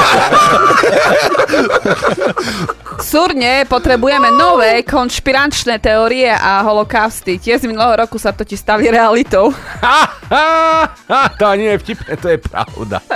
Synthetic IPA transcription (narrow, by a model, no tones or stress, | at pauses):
suɾɲɛpɔt̪ɾɛbujɛmɛnɔʋɛːkɔnʃpiɾant͡ʃnɛːt̪ɛɔɾiɛʔaɦɔlɔkaʊst̪icɪɛzminulɛɦɔɾɔkusat̪ɔciʃst̪aʋiːɾɛalit̪ɔʊaa | at̪ɔaɲinɛjɛfcipnɛt̪ɔjɛpɾa̰ʊd̪a̰